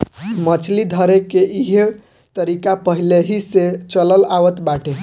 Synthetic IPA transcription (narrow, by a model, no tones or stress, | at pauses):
mət͡ʃʰlid̪ʱəɾekeʔiɦe | t̪əɾikapəɦileɦiset͡ʃələlaʋət̪baʈe